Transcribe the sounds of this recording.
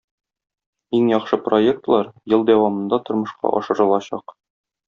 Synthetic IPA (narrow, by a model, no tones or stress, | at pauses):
iŋjɒqʃɤpro̞ek̚t̪lˠɑɾjɤlˠd̪æwɑmɤ̆nd̪ɑt̪ŏɾmɤ̆ʃqɑ̰ʔɒ̰ʃɤ̆ɾɤ̆lˠɑɕɑ̰q